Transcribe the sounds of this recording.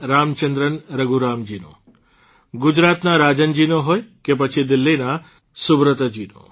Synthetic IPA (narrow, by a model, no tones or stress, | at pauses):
ɾamt͡ʃənd̪ɾənɾəɡuɾamd͡ʒino̰ | ɡʊd͡ʒɾat̪naɾad͡ʒənd͡ʒinoɦojkep̬ət͡ʃʰid̪ɪlːina | subɾət̪əd͡ʒino̰